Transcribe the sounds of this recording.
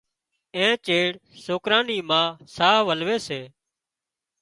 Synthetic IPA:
ẽːt͡ʃeːɽsoːkɾãːniːmãːsaːɦʋəlʋeːseː

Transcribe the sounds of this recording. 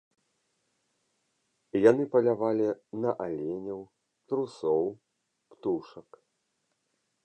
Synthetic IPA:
janɨpɐlʲavalʲinɐʔalʲenʲɐw | t̪ɾusɔw | pt̪uʂɐk

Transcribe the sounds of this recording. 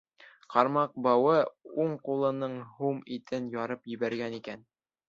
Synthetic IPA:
qɑɾmɑq̚bɑwɤuɴqulˠɤ̆nɤɴɦumit̪ɘnjɑɾɤpjɘ̆βæɾɡænikæn

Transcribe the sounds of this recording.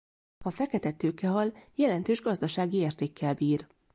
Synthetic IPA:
hɒfɛkɛt̪ɛt̪øːkɛɦɒljɛlɛnt̪øːʒɡɒzd̪ɒʃaːɡieːrt̪eːkʰːɛlbiːr

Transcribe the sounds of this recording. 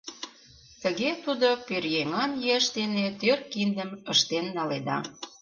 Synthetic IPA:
t̪əɣet̪ud̪opørjeŋɑnjeəʃt̪enet̪ørkind̪əməʃt̪enːɑled̪ɑ̰

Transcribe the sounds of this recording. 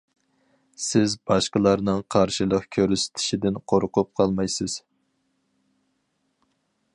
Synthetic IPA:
sɪzbɑʃqəlˠɑɾnɨŋqʰɑɾʃilˠəqkʲʰøɾysɪ̥t̪ʰɪ̥ʃid̪ɪnqʰoɾqʊp̚qʰɑlˠmɑjsɪz̥

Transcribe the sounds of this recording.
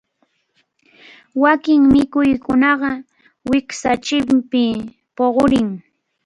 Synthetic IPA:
wakɪŋmɪkʊjkʊnɑɢɑ | wɪksat͡ʃɪmpɪ | poɢoɾɪŋ

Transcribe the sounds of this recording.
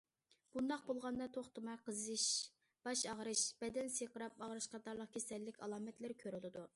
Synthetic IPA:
b̥und̪ɑqbolˠʁɑnd̪ɑt̪ʰoχt̪ɨmɑjqʰəzɨʃ | b̥ɑʃɑʁɾɨʃb̥ɛd̪ɛnseqəɾɑp̚ɑʁɾɨʃqʰɑt̪ɑɾlˠəq̚kʲʰesɛlːɪkʲʰɑ̰lˠɑːmɛt̪lɪɾkʲʰøɾɨlˠɨd̪u

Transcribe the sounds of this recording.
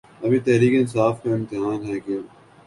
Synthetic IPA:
ɐbʱit̪ɛɦɾiːkeɪnsaːfmẽɪ̃mt̪ɪɦaːnɦɛke

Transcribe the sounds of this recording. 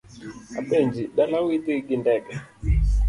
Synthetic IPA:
aɓɛnd͡ʒiɗalawit̪iɡindɛɡɛ

